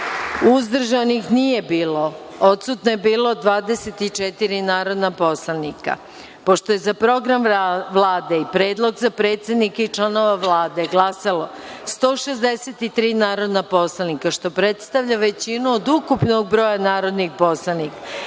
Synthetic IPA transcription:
uzd̪r̩ʒanixnije̞biːlo̞ | ot̪sut̪noje̞biːlod̪ʋaːd̪eset̪it͡ʃet̪iɾinaːɾo̞d̪napo̞slˠanika̰ | po̞ʃt̪o̞je̞zapɾo̞ɡɾamʋlˠaːd̪e̞ipɾe̞ːd̪lˠo̞ɡzapɾe̞ːt̪sʲe̞d̪nikait͡ʃlˠano̞ʋaʋlaːd̪e̞ɡlasalo̞ | st̪o̞ːʃezd̪eset̪it̪ɾiːnaːɾo̞d̪napo̞slˠanikaʃt̪o̞pɾe̞t̪st̪aʋʎaʋe̞t͡ɕinuod̪ukupnoɡ̚bɾo̞ːjanaːɾo̞d̪nixpo̞slˠanika

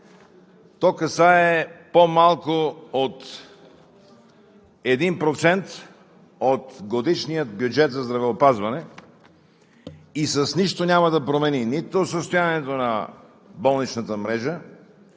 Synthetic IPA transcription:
t̪ɔkɐsaɛpomalˠkoot̪ | ɛd̪inpɾot̪sɛnt̪ | ot̪ɡod̪iʃnijət̪̚bjud͡ʒɛt̪zɐzd̪ɾɐvɛopazvɐnɛ | isəsniʃt̪onʲamɐd̪ɐpɾomɛninit̪osəst̪ojanɛt̪onɐ | bɔlˠnit͡ʃnət̪əmɾɛʒə

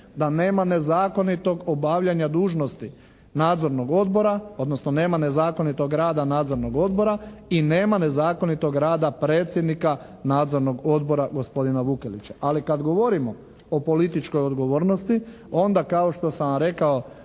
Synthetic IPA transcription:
d̪ane̞ːmane̞zaːko̞nit̪o̞ɡobaʋʎaɲad̪uːʒno̞st̪i | naːd̪zo̞ɾno̞ɡo̞d̪boɾao̞d̪no̞snone̞ːmane̞zaːko̞nit̪o̞ɡɾaːd̪anaːd̪zo̞ɾno̞ɡo̞d̪bo̞ɾaine̞ːmane̞zaːko̞nit̪o̞ɡɾaːd̪apɾeːt̪sjed̪nika | naːd̪zo̞ɾno̞ɡo̞d̪bo̞ɾaɡo̞spo̞d̪inaʋukelḭt͡ɕaʔalikad̪ɡo̞ʋo̞ɾimo̞ | opo̞lit̪it͡ʃkojod̪ɡo̞ʋo̞ːɾnost̪i | o̞nd̪akao̞ʃt̪o̞saɾe̞kao

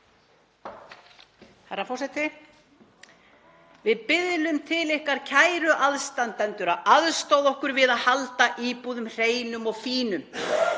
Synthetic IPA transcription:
haɾafɔsɛt̪ɪ | vɪðpɪðlʏmt̪ʰɪlɪhkaɾcʰaːjɾʏʔaðst̪ant̪ɛnt̪ʏɾaaðst̪owðɔhkʏɾvɪðaðhalt̪aʔiːpuːðʏmr̥eːjnʏmɔɣfiːnʏm

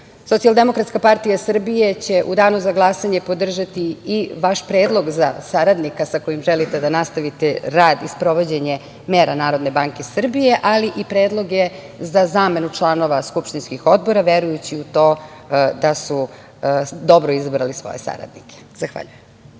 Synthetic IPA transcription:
so̞t̪ialˠd̪e̞mo̞kɾat̪skapaɾt̪ijasr̩bije̞t͡ɕe̞ʔud̪aːnuzaɡlˠasaɲe̞po̞d̪r̩ʒat̪iiʋaʃpɾe̞ːd̪lˠo̞ɡzasaɾad̪nikasako̞jimʒelit̪e̞d̪anast̪aʋit̪eɾaːd̪ispɾo̞ʋo̞d͡ʑe̞ɲe | meːɾanaːɾo̞d̪ne̞baːŋkesr̩bije̞ʔaliʔipɾe̞ːd̪lˠo̞ɡje | zazaːme̞nut͡ʃlˠaːno̞ʋaskupʃt̪inskixo̞d̪̚bo̞ɾaʋe̞ɾujut͡ɕiut̪o̞ːd̪asu | d̪o̞bɾoizabɾalisʋo̞̰jesa̰ɾa̰d̪nikʰe̥z̥axʋa̰ʎujem

